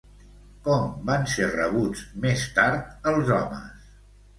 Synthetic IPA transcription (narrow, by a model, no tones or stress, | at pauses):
kɔmbanserəβ̞ud͡zmest̪aɾt̪̚əlˠzɔmə̰s